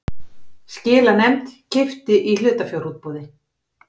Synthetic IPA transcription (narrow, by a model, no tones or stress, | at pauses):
scɪːlanɛmt̪cɪft̪ɪʔilʏːt̪afjowɾuːt̪̚poːðɪ